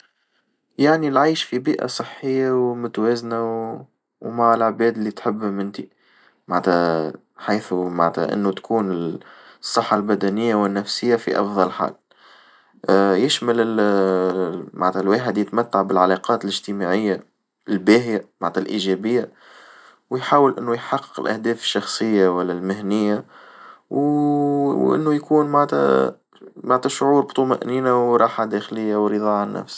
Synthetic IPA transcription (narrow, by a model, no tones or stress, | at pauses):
jaʕnilʕaːʃfibiːʔa̰sˤɨħːɪjːawmʊt̪wɛːzna | wmaʕɪlʕbɛːd̪ɪlːit̪ħəbːmɪnt̪i | maʕt̪æ | ħajθumaʕnt̪hæ̰ʔɪ̰nːut̪kʰuːnɪsˤːɨħːalbæd̪ænɪjːawɪnːæfsɪjːafḭʔɑfðˤɑlħa̰ːl | jɪʃmælɪl | ma̰ʕnt̪ælwæːħəd̪jɪt̪mæt̪ːaʕbɪlʕalɑqɑːt̪lɪʒt̪əmaʕɪjːa | ɪlbæːɦjamaʕt̪ælʔiːʒɛbɪjːa | wjħaːwəlʔɪnːujħɑqːə̥qəlʔæ̰hd̪ɛːfʃːɑxsˤɨjːawælːælmɪhnɪjːa | w | ʔɪ̰nːujkuːnmaʕt̪æ̰ | maʕt̪æʃʊʕuːɾbt̪ˤʊmaʔniːnawɾˤɑːħad̪æxlɪjːawɾɨðˤɑːʕanːæ̰fs